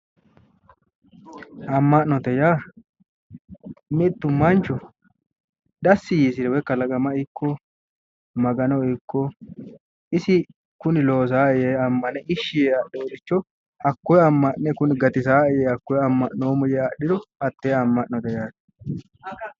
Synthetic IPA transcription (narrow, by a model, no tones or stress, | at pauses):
ɐmːɐʔnɔt̪ɛjaː | mɪt̪ːʊmːɐnt͡ʃɔ | d̪ɐsːɪjiːsɪɾɛwɛkːɐlɐɡɐmɐɪkːɔ | mɐɡɐnɔɪkːɔ | ɪsɪ | kʊnɪlo̞ːs̬aːɪjeːɐmːɐnɛʔɪʃːɪjeɐɗːɛwɔd̪ɪt͡ʃːɔ | ɐkːɔjɐmːɐʔnɛkʊnɪɡɐt̪ɪsaːɪjeːɐkːɔjɐmːɐʔnoːmʊjɛɐɗɪɾɔɐt̪ːeːɐmːɐʔnɔt̪ɛjaː